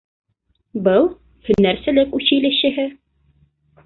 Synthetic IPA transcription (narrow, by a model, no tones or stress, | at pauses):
bɤlˠ | hɵ̆nːæɾsælɘkʉɕɘ̆jlɘ̆ɕɘ̆ɦɘ